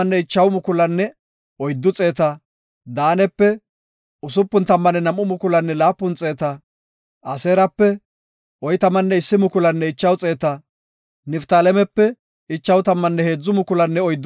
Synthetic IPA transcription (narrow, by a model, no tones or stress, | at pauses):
nːɛɪt͡ʃːɐwmʊkʊlɐnːɛ | ɔjd̪ːʊt͡sʼe̞ːt̪ɐ | d̪aːnɛpːɛ | ʊsʊpːʊnt̪ɐmːɐnɛnɐmːʊmʊkʊlɐnːɛlaːpːʊnt͡sʼe̞ːt̪ɐ | ʔɐseːɾɐpːɛ | ɔjt̪ɐmɐnːɛɪsːɪmʊkʊlɐnːɛɪt͡ʃːɐwt͡sʼe̞ːt̪ɐ | nɪft̪aːlɛmɛpːɛ | ɪt͡ʃːɐwt̪ɐmːɐnːɛhe̞ːd͡zːʊmʊkʊlɐnːɛɔjd̪ː